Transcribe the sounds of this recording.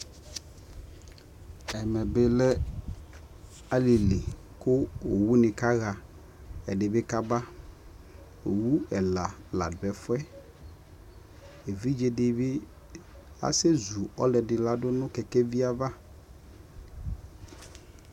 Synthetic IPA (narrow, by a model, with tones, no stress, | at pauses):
ɛ˨mɛ˨bɪ˦lɛ˦ | a˦li˨li˨ | kʊ˦o˨wu˦nɪ̃˨ka˦ɣa˨ | ɛ̰˨dɪ˨bɪ˦ka˦ba˦ | o˨wu˦ɛ˨la˨la̰˨dʊ˨ɛ˨fʊ˦ɛ˦ | e˨vi˦d͡ʒe˨dɪ˨bɪ˦ | a̰˨se˦zu˨ɔ̰˦lɛ˨dɪ˨la˦dʊ˦nʊ̃˦kɛ˨kɛ˦vi˦a˨va˦